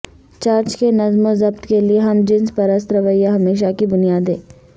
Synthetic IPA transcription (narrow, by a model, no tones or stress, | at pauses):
t͡ʃaːɾt͡ʃkenɐzmozɐbt̪kelieɦɐmd͡ʒɪ̃nzpɐɾɐst̪ɾɐʋəjːaɦɐmeːʃ̬akibʊnijaːd̪ḛ̃ː